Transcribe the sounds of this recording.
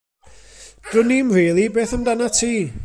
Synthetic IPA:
d̥rʊnimriːlˠibeːθəmdanatʰiː

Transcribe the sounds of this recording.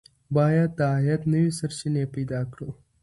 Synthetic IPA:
baːjat̪aːjɐt̪nɐʋisɐɾʃineːpid̪aːkʰɽo

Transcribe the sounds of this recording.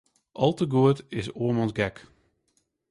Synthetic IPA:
ʔɑlˠtəɡuətɪsoəmɑnzɡɛk

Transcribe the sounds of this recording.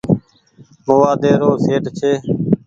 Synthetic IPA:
moːʋaːd̪eːɾoːseːʈt͡ʃʰeː

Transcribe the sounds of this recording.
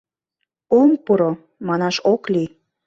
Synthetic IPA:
ompuɾo | mɑnɑʃokli

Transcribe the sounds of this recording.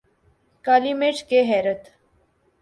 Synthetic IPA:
kaːlimeːʈkeɦɛːɾət̪

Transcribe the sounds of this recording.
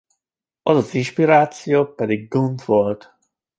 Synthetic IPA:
ʔɒzɒzinʃpiɾaːt̪sijopɛd̪iɡ̚ɡumtvolt̪

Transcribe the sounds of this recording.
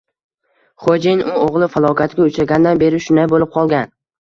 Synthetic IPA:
χod͡ʒenʊoʁlˠɪfalˠɒkʲʰat̪ɡʲaʊt͡ʃɾaɡʲand̪anbe̞ɾɪʃʊnd̪ajbolɪp̚qʰɒlˠɡʲan

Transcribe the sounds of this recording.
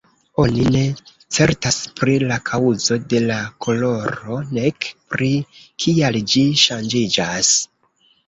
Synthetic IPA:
o̞nine̞ | t͡se̞ɾtaspɾilakʰawzo̞de̞lakʰo̞lo̞ɾo̞ne̞kpɾikʰiald͡ʒiʃand͡ʒid͡ʒas

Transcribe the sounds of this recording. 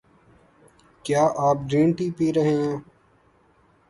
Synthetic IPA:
kjaːʔaːp̚ɖĩːɳʈiːpiːɾəɦẽː

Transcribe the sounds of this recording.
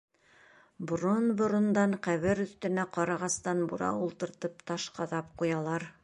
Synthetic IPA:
bŏɾonbŏɾŏnd̪ɑɴqæβɘɾɵ̆θt̪ɘ̆næqɒɾɑʁɑst̪ɑnbuɾɑ̰ulˠt̪ɤ̆ɾt̪ɤpt̪ɑʃqɑðɑp̚qujɑlˠɑɾ

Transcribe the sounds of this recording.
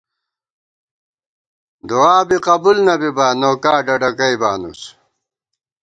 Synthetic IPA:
d̪oaːbiqɐbulnɐbibaːnoːkaːɖɐɖɐkɐibaːnṵs

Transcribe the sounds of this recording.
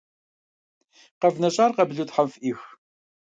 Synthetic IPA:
qɐvnɐɕʼaːrqɐbɮutħafʔiːx

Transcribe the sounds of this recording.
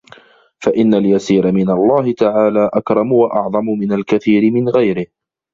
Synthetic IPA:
faʔɪnːaljasiːɾamɪnalˤːɑːhɪt̪aʕaːlaːʔakɾˤɑmʊwaʔɑʕðˤɑmʊmɪnalkaθiːɾɪmɪnɣajɾɪh

